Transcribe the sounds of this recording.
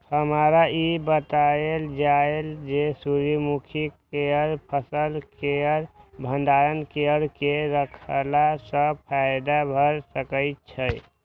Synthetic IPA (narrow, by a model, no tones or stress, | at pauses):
həmaɾaibət̪aeld͡ʒaeld͡ʒesuɾimukʰikeəɾpʰəsəlkeəɾbʱənd̪aɾənkeəɾkeɾəkʰəlasə̃pʰaɪd̪abʱəɾsəkəɪt̪̚t͡ʃʰəj